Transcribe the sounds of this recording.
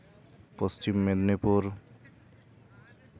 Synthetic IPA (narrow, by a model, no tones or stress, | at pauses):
pɔst͡ʃimːed̪nipuɾ